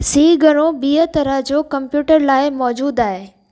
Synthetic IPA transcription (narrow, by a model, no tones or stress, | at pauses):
siːɡʱɐɽ̃obiːət̪ɐɾəɦd͡ʑoːkɐ̃mpjuːʈəɾlaːɪmɔːd͡ʑuːd̪aːɦeː